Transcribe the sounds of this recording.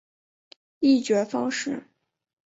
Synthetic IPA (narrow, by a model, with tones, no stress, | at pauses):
i˥˩t͡ɕɥɛ˧˥fɑ˥ŋʂɻ̩˥˩